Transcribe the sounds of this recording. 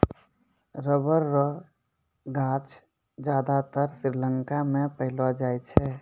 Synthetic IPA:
ɾəbəɾːɔ | ɡãt͡ʃ | d͡ʒad̪at̪əɾsiɾləŋkamẽpəɦɪlɔd͡ʒajt͡ʃʰɛ

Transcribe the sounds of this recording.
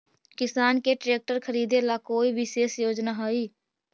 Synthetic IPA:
kɪsaːnkeʈɾeːk̚ʈəɾkʰəɾiːd̪elakoːiʋʱɪʃeːsjoːd͡ʒnaɦoiː

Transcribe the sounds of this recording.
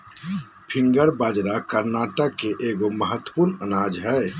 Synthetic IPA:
pʰiŋɡəɾbad͡ʒɾakəɾnaʈəkːeʔeɡoməɦət̪ːə̥puɾnənad͡ʒɦɛ

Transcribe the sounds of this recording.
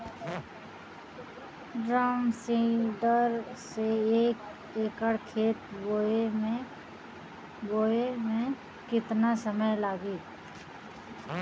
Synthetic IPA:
ɖɾaːmsĩɖəɾseeːk | eːkəɽkʰeːt̪ɡoee | ɡoːemẽ | kɪt̪nasəməjlaːɡiː

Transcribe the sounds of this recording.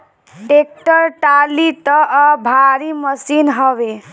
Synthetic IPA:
ʈek̚ʈəɾʈalit̪ʌʔbʱaɾiməsinɦʌbe

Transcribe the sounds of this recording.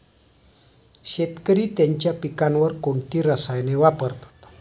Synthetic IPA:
ʃet̪̚kəɾit̪ɛɲt͡ʃapikanwərkoɳʈiɾasajnewapərt̪

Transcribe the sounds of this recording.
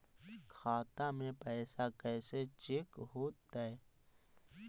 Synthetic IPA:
kʰaːt̪amẽpɛːsakɛːset͡ʃɪkɦoːt̪ːae

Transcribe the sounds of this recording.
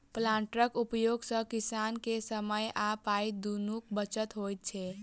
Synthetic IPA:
plãɳʈɾəkupjoɡsə̃kisankesəməjapaid̪unukbət͡ʃət̪ɦojt̪̚t͡ʃʰɛ

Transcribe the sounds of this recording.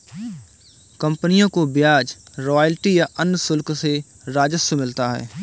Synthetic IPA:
kɐ̃mpənijõkobjaːd͡ʒɾɔːjəlʈijaʔənːsʊlkse | ɾaːd͡ʒəsjəmɪlt̪aɦɛ̰ː

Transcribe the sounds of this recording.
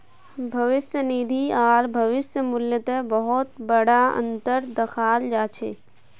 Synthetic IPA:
bʱɐʋɪsjənid̪ʱiaːɾbʱɐʋɪsjəmʊljət̪ebəɦɔt̪̚bəɽaə̰̃nt̪əɾd̪ɐxʰaːld͡ʒaːt͡ʃʰḛː

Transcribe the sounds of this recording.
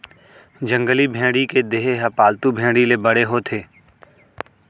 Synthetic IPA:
d͡ʒə̃ŋɡəlibʱẽːɽiked̪eːɦeɦɐpaːlt̪ubʱẽːɽilebɐɽeɦot̪ʰeː

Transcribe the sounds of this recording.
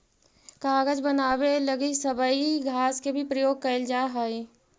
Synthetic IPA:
kaːɡəd͡ʒbənaːweləɡisəbəiɡʱaːskebʱipɾəjoːɡ̚kɐɪld͡ʒaːɦai

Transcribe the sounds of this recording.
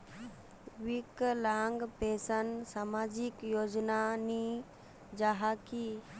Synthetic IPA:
ʋɪklaːŋɡpeːsənsaːmaːd͡ʒɪkjoːd͡ʒnani | d͡ʒaɦaki

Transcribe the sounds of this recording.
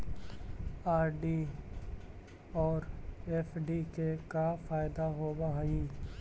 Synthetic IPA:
aːɾɖi | ɔːɾeːfʰɖikekafaːɪd̪aɦoːbaɦiː

